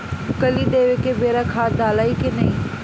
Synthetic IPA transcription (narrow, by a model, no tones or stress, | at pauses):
kɐlid̪eːʋekebeːɾakʰaːd̪ʱaːlaːikenɐiː